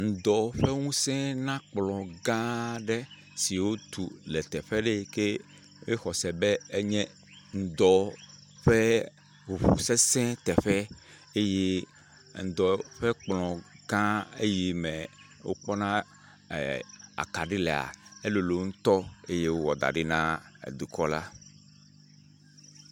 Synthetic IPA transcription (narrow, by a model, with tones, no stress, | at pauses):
ŋ̩˨d̪ɔ˨ɸɛ˦ŋũ˦sɛ̃˦nã˦k͡plɔ̃˨ɡã˦ɖɛ˦ | si˨wo˦t̪ṵ˨lɛ˨t̪ɛ˨ɸɛ˦ɖe˦ke˦ | we˦xɔ˨sɛ˨be˦e˦ɲɛ̃˦ | ŋ̩˨d̪ɔ˨ | ɸɛ˦ | wu˨ɸu˨sɛ˦sɛ̃˦t̪ɛ˨ɸɛ˦ | e˦je˦ | ŋ̩˨d̪ɔ˨ɸe˦k͡plɔ̃˨ɡã˦e˦ji˨mɛ˨ | wo̰˦k͡pɔ˦nã˦˨ | a̰˨ka˨ɖi˦le˨a̰˨e˦lo˨lo˨ŋ̩̃˦t̪ɔ˦e˦je˦wo˦wɔ˨d̪a̰˨ɖe˦nã˦ḛ˨d̪u˨kɔ˦la˦